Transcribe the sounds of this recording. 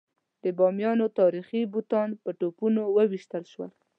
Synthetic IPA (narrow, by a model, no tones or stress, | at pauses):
d̪əbɑmjɑnot̪ɑɾixibut̪ɑnpəʈopunowəwiʃt̪əlʃwə̰l